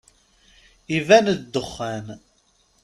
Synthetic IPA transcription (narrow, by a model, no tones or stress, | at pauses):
ivænəd̪ːəχːæn